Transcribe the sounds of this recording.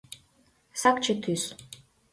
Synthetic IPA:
sakt͡ʃʰɨt̪ʰys

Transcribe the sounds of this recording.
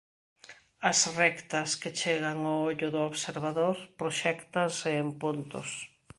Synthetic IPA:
ɐsrɛkt̪ɐsket͡ʃeɣaŋooʎʊðʊoβseɾβaðoɾpɾoʃɛkt̪ansɪːmpunt̪ʊ̰s

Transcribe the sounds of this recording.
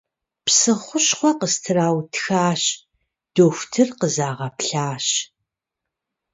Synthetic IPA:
psɨχʷʊɕχʷɔqəstʰɨraːwtʰxaːɕ | d̥oːxʷtʰɨrqəzaːʁɐpɬaːɕ

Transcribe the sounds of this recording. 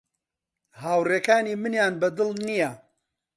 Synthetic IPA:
haːwreːkaːniːmɨnjaːnbɐd̪ɨlnijɐ

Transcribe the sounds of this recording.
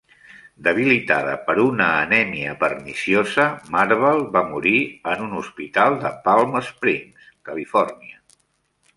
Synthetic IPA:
d̪əβ̞ilit̪a̰ðə̰pəɾunəːnɛmiəpəɾnisiozəmaɾβɛlˠβamuɾiənunuspit̪alˠd̪əpalˠməspɾinskəlifɔrniə

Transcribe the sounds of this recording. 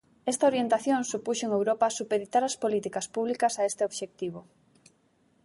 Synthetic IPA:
est̪ɐoɾjent̪aθjoŋsupuʃoeŋewɾopaːsupeðit̪aɾɐspolit̪ikɐspuβlikɐsaest̪eoβʃek̚t̪iβo

